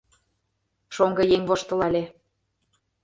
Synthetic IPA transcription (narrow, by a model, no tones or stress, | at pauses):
ʃoŋɡɤ̆jeŋβoʃt̪ɤ̆lɑlʲe